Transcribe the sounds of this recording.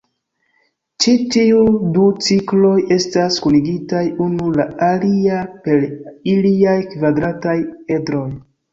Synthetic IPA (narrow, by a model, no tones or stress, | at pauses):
t͡ʃitiudut͡siklo̞je̞staskuniɡitajunulaaliape̞ɾiliajkvadɾataje̞dɾo̞j